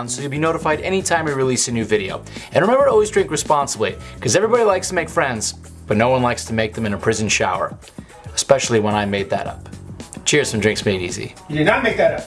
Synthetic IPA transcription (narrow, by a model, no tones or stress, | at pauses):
nsoʊjɨlˠbinoʊɾəfaɪɾɛñitʰãɪ̃mjɨɹilisɨnʉvɪɾioʊɨ̃nɹɨmɛ̃mbə˞ɔlˠwizdɹɪ̃ŋkɹɨspɑ̃nsəblikʰʌzɛvɹibɑɾilaɪkstʰəmeɪkfɹɛ̃ndz̥ | b̥ʌtⁿnoʊwʌ̃nlaɪkstʰɨmeɪk̚ðɨ̃mɨ̃nɨpʰɹ̥ɪzn̩ʃaʊə̰˞ | ɨspɛʃl̩ˠiwə̃ñaɪmeɪd̪̚ðɨ̰ɾʌ̰pt͡ʃʰɪɹsʌ̃m̩dɹɪ̃ŋksmeɪɾḭzḭjɨdɨnət̚meɪk̚ðɨɾʌp